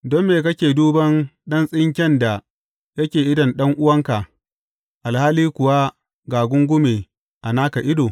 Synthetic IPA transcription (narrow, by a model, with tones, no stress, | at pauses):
dɔ˦mːeː˨kɐ˦kʲeː˨duː˦bɐ˦nɗɐ˦nsʼɪ˦ŋkʲɛ˦nda˨ | jɐ˦kʲeː˨ʔɪ˦dɐ˨nɗɐ˦ŋʔʊ˦wɐ˦ŋka˨ | ʔa˨lhaː˦liː˦kʷʊ˨wa˦ | ɡaː˨ɡʷʊ˦ŋɡʷʊ˦meː˨ | ʔa˨naː˦ka˨ʔɪ˦doː˨